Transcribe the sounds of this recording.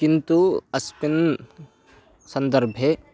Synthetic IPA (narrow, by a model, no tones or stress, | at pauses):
kɪnt̪uɐspin | sɐ̃nd̪əɾbʱe